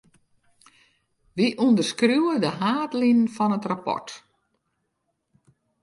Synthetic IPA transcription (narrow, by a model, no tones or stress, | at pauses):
ʋiʔundərskruwədəɦaːtlinənfɔnətrapɔ̰rt